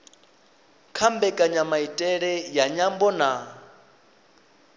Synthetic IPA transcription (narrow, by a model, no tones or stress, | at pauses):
kʰambɛkʼaɲamaitʼɛɺɛjaɲambɔna